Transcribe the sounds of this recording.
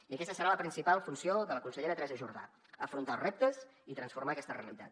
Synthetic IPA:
iəkɛst̪əsəɾaləpɾinsipalˠfunsioðələkunsəʎeɾət̪ɾɛzəʒuɾða̰ | əfɾunt̪alˠzrɛp̚t̪əzit̪ɾənsfuɾmaəkɛst̪əreəlit̪a̰t̪

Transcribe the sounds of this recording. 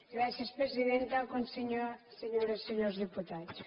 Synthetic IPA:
ɡɾasjɐspɾeziðẽnt̪akõnseɲoseɲoɾɐseɲoɾzðeput̪aðʊs

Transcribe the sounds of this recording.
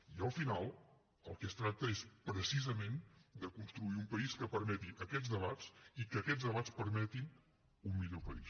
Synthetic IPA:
iəlˠfinalˠ | əlˠkɛst̪ɾak̚t̪əespɾəsizəmend̪əkunst̪ɾuiumpəiskəpəɾmɛt̪iʔəkɛzðəβat͡sikəkɛzðəβat͡spəɾmɛt̪in | umːiʎopəḭs

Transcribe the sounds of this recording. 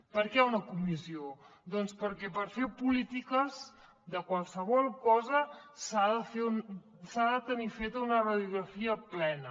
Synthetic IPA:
pəɾkɛaunəkumizio | d̪ɔnspəɾkɛpəɾfepulit̪ikəz | d̪əkwalˠsəβɔlˠkɔzəsaðəfeun | saðət̪ənifet̪əunərəðjuɣɾəfiəplɛnə

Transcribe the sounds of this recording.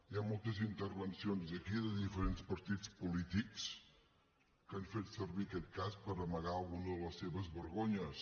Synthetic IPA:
iamolˠt̪əzint̪ərβənsionzðəkiðəðifəɾenspəɾt̪itt͡spulit̪iks | kaɱfet̪sərβiəkɛt̪̚kaspəɾəməɣaəlˠɣunəðəlˠəsːeβəzβəɾɣoɲəs

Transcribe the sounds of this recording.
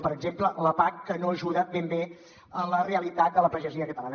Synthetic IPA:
pəɾəɡzemplələpakːənoəʒuðat̪̚bembe | ələreəlit̪at̪̚d̪ələpəʒəziəkət̪əlanə

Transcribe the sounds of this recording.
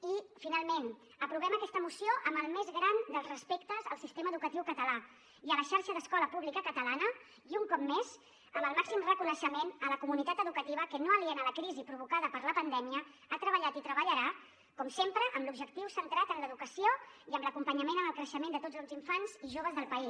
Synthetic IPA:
ifinalˠmen | əpɾuβɛməkɛst̪əmusijoʔəmbəlˠmezɣɾand̪əlˠzrəspekt̪əzəlˠsist̪eməðukət̪iwkət̪əla | iələʃaɾʃəðəskɔləpuβlikəkət̪əlanə | iuŋkɔp̚mez | əmbəlˠmaksimrəkunəʃəmenələkumunit̪at̪əðukət̪iβəkənoəliɛnələkɾizipɾuβ̞ukaðəpəɾləpənd̪ɛmiə | at̪ɾəβəʎat̪it̪ɾəβəʎəɾa | kɔmsempɾəʔəːmlubʒəkt̪iwsənt̪ɾat̪ənləðukəsioiəmləkumpəɲəmenənəlˠkɾəʃəmend̪ət̪od͡zəlˠziɱfanziʒoβ̞əzðəlˠpəi

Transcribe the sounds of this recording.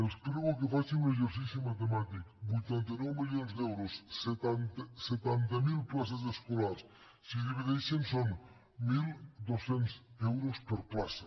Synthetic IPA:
elspɾeɣokefasiŋũneʒeɾsisjomat̪̬emat̪ikbujt̪ent̪enɛwmiljonzdewɾoset̪ant̪set̪ant̪amilplas̬az̬eskolaɾs | siðeβiðesenson | mild̪osensewɾospeɾplasa

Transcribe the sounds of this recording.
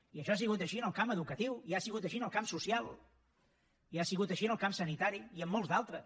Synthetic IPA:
iəʃɔasiɣut̪əʃiənəlˠkaməðukət̪iwiasiɣut̪əʃiənəlˠkamsusialˠ | iasiɣut̪əʃiənəlˠkamsənit̪aɾiiəmːɔlˠzd̪alˠt̪ɾə

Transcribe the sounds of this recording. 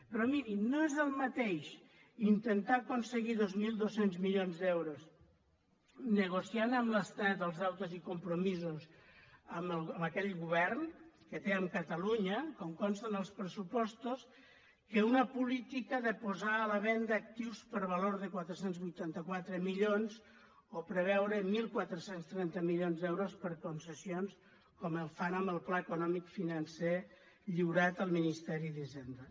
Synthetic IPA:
pɾɔmiɾinoezðəlˠmat̪eʃ | int̪ent̪akonsəɣiðozmilˠd̪osenzmiʎonzd̪ɛwɾos | nəɣ̞osianəmləst̪at̪əlˠzðawt̪ozikumpɾomizosəməlˠəməkɛʎɣuβ̞ɛɾnkət̪eəmkət̪əluɲəkɔŋkɔnst̪ənəlˠspɾəsupɔst̪os | keunəpulit̪ikəðəpuzaːləβɛnd̪əːk̚t̪iwspəɾβəloɾðəkwat̪ɾəsenzβujt̪ant̪əkwat̪ɾəmiʎonz | opɾəβ̞ɛwɾəmilˠkwat̪ɾəsenst̪ɾɛnt̪əmilʎonzd̪ɛwɾospəɾkunsəsions | kɔməlˠfanəmbəlˠplaəkunɔmikfinənse | ʎiwɾat̪əlˠminist̪ɛɾiðizend̪ə

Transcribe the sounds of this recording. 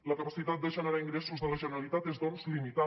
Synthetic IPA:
ləkəpəsit̪at̪̚d̪əʒənəɾaiŋɡɾɛsuzðələʒənəɾəlit̪at̪ezðɔnzlimit̪a

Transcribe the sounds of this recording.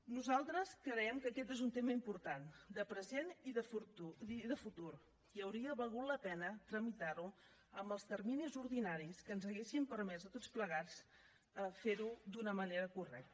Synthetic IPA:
nuzalˠt̪ɾəskəɾɛɛmkəkɛt̪ezunt̪eməimpuɾt̪and̪əpɾəzeniðəfuiðəfut̪uɾ | iəwɾiəβəlˠɣut̪ləpɛnət̪ɾəmit̪aɾu | əmbəlˠst̪ərminizuɾðinaɾiskənzəɣesimpəɾmɛzd̪ət̪ot͡spləɣ̞at͡s | əfeɾud̪unəməneɾəkurɛ̰k̚t̪ə

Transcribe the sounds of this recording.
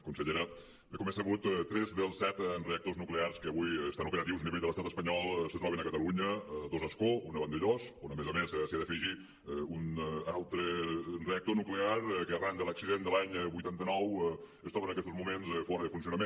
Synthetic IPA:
kunsəʎeɾə | bəkumɛsəβut̪t̪ːɾɛzðəlˠsːɛt̪nreək̚t̪oznuklearskəːβujsanupeɾət̪iwzəniβeʎdələst̪at̪əspəɲɔlˠsət̪ɾɔβenəkət̪əluɲəd̪ozəskounəβənd̪eʎosonəmezəmessiaðəfiʒi | unalˠt̪ɾənreək̚t̪onukleaɾkəərand̪ələksiðend̪əlaɲβujt̪ant̪ənɔw | əst̪ɾɔβənəkɛst̪ozmumenzfɔɾəðəfunsiunəme

